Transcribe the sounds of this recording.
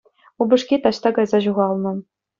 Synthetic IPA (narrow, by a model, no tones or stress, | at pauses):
ubɘ̆ʂkʲit̪ɑɕt̪ɑkɑjzɑʑuʁɑlˠnɤ̆